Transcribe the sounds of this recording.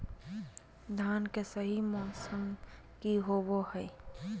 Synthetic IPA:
d̪ʱaːnkesəɦimɔ̃ːsəm | kiɦobohɛ

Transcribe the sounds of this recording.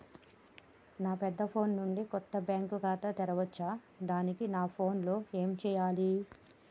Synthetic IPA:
naːpɛd̪ːɐpʰo̞ːnnuɳɖikɔt̪ːɐbjaːŋkuɡaːt̪ɐt̪ɛɾɐʋɐt͡ʃːaː | d̪aːnikinaːpʰo̞ːnlo̞ːe̞ːmt͡ʃɛːjaːli

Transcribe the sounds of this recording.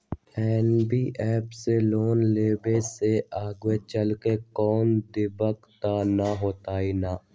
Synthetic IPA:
ɛːnbiːʔɛːpseloːnleːbeseaːɡwet͡ʃəlkekɔːnd̪ɪbəkt̪anaɦoːt̪aːiːnaː

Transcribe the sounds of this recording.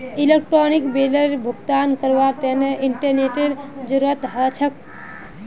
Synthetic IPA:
ilek̚ʈɾonikbeləɾbʱuɡt̪aːnkəɾʋaɾt̪eneʔiɳʈəɾneʈeɾd͡ʒuɾət̪ɦət͡ʃʰək̚

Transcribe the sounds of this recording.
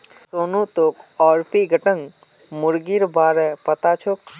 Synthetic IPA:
soːnut̪oːkɔːɾpiɡʱəʈəŋ | mʊɾɡiɾbaːɾɛpət̪at͡ʃʰok

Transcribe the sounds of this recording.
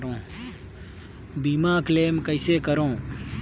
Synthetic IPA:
ɾõː | biːmaːkleːmkəɪseːkəɾõː

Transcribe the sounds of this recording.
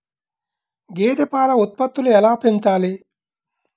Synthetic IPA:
ɡeːt̪epaːlɐut̪̚pɐt̪ːuluɛlaːpʰent͡ʃaːli

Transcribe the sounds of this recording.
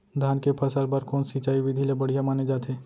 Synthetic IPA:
d̪ʱaːnkepʰɐsaɾbaɾkɔːnsit͡ʃaːiʋɪd̪ʱilebɐɽ̤ijamaːned͡ʒaːt̪ʰeː

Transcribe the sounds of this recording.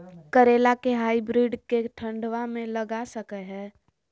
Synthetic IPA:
kəɾeːlakeɦaːibɾiɖkeʈʰə̃ɳɖʋamẽləɡasəkɛɦɛː

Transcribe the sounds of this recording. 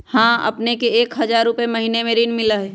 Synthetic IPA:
hãːɐ̰pnekeeːkɦɐd͡ʒaːɾʊpemɐɦiːnemeɾiːnmɪlaɦɛː

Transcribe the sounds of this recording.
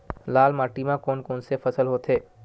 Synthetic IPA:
laːlmaːʈiːmãkoːnkoːnsefʰɐsəlɦoːt̪eː

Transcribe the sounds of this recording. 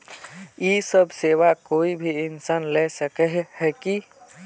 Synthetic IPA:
jisəbʱseʋakoːibʱiɪnsaːnlɛsəkɛɦhɛki

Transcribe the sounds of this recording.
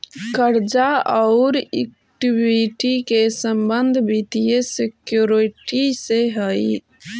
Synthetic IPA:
kəɾd͡ʒaaʊɾḛk̚ | ʈibiʈikesəmbənd̪ʱbit̪ijesekjuɾiʈiseɦəj

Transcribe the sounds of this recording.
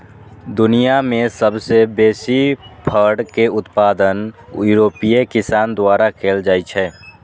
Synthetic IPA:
d̪ʊnijamẽsəbsebeːsipʰəɾɖkeʊt̪paːd̪ənjuɾoːpijekɪsaːnd̪waːɾakʰeːld͡ʒaːit͡ʃʰɛː

